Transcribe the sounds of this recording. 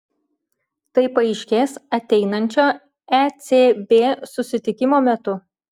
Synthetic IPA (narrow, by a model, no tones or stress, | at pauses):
t̪ɐɪpɐɪʃʲkʲeːsɐt̪ʲɛɪnɐnʲt͡ʃʲoː | ɛt̪sʲeːbʲeːsʊsʲɪt̪ʲɪkʲɪmoːmʲɛt̪ʊ